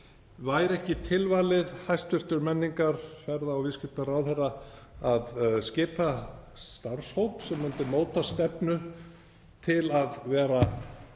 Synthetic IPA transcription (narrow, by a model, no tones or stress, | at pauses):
vaːjɾɛhcɪt̪ʰɪlvajlɪðhajst̪fɪr̥t̪ʏɾmɛnːiŋkaɾ̥fɛɾðaɔwvɪscɪl̥t̪aɾawθɛrːaaðscɪːpast̪aɾshowpsɛmːʏnt̪ɪmoːwt̪ast̪ɛpnʏ | t̪ʰɪlaðvɛːɾa